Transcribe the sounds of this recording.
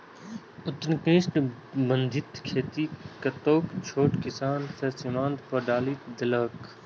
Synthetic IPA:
ʊt̪nkẽːsʈ | bənd̪ʱɪt̪kʰeːt̪ikɐt̪oːkt͡ʃʰoːʈkɪsaːnsesɪmãːnt̪pəɖaːlit̪d̪ɪlɐːk

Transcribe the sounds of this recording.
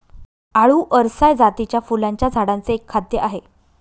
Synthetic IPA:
aɭuːʔəɾsajd͡zat̪it͡ɕjafulaɲt͡ɕjad͡zʱaɽãnt͡seːkʰːad̪jəʔaɦe

